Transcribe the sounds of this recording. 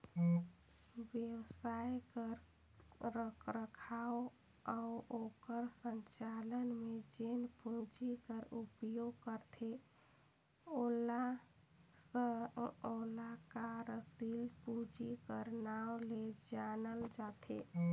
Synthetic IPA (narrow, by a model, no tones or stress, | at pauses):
ʋjewsajkəɾ | ɾəkʰɾəkʰaoauokəɾsəɲt͡ʃalənmed͡ʒenpud͡ʒikəɾupjoɡkəɾt̪ʰe | ola | səolakaɾəsilpud͡ʒikəɾnawleed͡ʒanəld͡ʒat̪ʰḛ